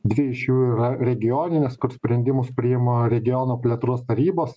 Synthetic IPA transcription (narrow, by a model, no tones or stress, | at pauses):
d̪ʲʋʲɪɪʃjuːɪːɾɐɾʲɛɡʲɪjoːnʲɪnʲeskʊɾsʲpʲɾʲɛnʲd̪ʲɪmʊspʲɾʲɪjɪmoɾʲɛɡʲɪjoːnoːpʲlʲɛt̪ɾuɔst̪ɐɾʲiːboːs